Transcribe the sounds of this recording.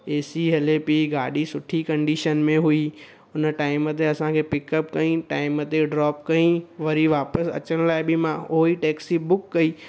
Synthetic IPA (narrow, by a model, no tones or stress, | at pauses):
eːsiɦɐlepiɡaːɗisʊʈʰikɐ̃ɳɖiːʃənmẽɦʊi | ʊnəʈaːɪmət̪̬eɐsãkʰepɪkəpkɐĩʈaːɪmət̪eɖɾɔːpkɐĩʋɐɾiʋaːpəsɐ̰t͡ɕəɽ̃laːɪbɪmãoiʈɛːksibʊkːɐiː